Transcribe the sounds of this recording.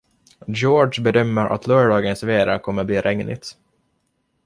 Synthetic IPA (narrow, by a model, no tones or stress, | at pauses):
d͡ʒoːɖʂbɛd̪œmːəɾʔa̰t̪ʰlœːɖɑːɡənsveːɾakʰɔmːəbliːɾʔɛŋnɪ̰t̪